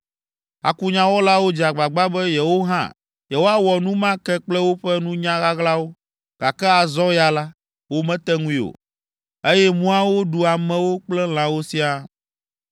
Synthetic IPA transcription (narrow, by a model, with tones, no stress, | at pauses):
a̰˨ku˦ɲã˦wɔ˦la˦wo˦d͡ʑi˨a˨ɡ͡ba˨ɡ͡ba˦bɛ˦jɛ˨wo˦ɦã̰˦˨ | jɛ˨wo˦a˦wɔ˨nũ˦mã˦kɛ˦k͡plɛ˦wo˦ɸɛ˦nũ˦ɲã˦ɣa˦ɣla˦wo˦ | ɡ̥a˨kɛ˦a˨zɔ˦ja˨la˦ | wo˦mɛ̃˦t̪ɛ˦ŋũ˦i˦o̰˨ | e˦jɛ˦mũ˦a˦wo˦ɖu˨a˨mɛ̃˨wo˦k͡plɛ˦l̃ã˨wo˦si˦a˦